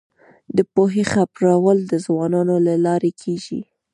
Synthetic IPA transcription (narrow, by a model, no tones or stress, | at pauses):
d̪əpoɦexapɾɑwəld̪əzwɑnɑnolalɑɾekʰeʒḭ